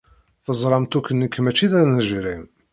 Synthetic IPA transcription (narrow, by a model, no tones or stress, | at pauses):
θəzˤɾˤɑmt̪ukːənːikːəmæt͡ʃːiðæɾnəʒɾim